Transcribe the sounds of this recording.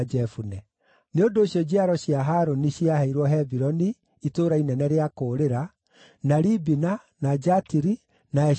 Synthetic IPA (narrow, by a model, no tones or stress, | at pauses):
d͡ʒɛfunɛ | neondoːɕjɔd͡ʑeaɾɔɕjaɦaɾoniɕiahɛiɾwɔɦɛbiɾɔniː | toːɾainɛnɛɾeakoːɾeɾa | naɾibina | nad͡ʒatiɾi | naɛ